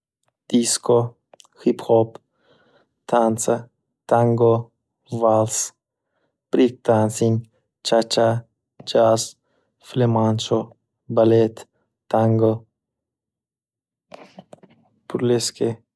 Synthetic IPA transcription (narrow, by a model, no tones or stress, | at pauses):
d̪̥isko | xipxɔp | t̪ʰant͡sɐ | t̪aŋɡo | vals | pɾik̚t̪ansin | t͡ʃat͡ʃa | d͡ʒas | flemant͡ʃo | balet̪ː | aŋɡo | puɾleske